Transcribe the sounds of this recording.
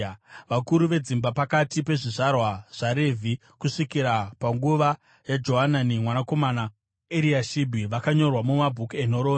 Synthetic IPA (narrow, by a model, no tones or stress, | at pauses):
ʋakuɾuʋe̞d͡zimbapakatipe̞ʐiʐarwaʐ̥aɾevʱi | kuʂikiɾapaŋɡuʋa | jad͡ʒo̞ɦananimwanako̞mana | eɾiaʃibʱiʋakaɲo̞rwamumabʱukenoɾoː